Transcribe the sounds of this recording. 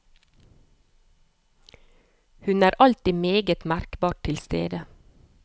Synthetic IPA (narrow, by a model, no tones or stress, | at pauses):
hʉnæːɾʔɑlt̪iːmeːɡət̪mæɾkbɑːʈ̚ʰɪlst̪ḛːd̪ə